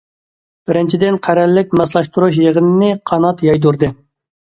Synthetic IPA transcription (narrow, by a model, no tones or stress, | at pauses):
b̥ɪɾɪnt͡ʃʰid̪ɪnqʰæɾælːɪk̚ʲmɑslˠɑʃt̪uɾuʃjeʁənɪnɪqʰɑnɑt̪jɑjd̪uɾd̪ɨ